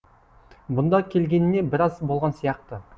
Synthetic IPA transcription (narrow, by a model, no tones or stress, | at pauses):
bʊnd̪ɑkʲʰe̞lɡʲe̞nɪne̞bɪɾɑzbo̞lˠʁɑnsijɑqt̪ə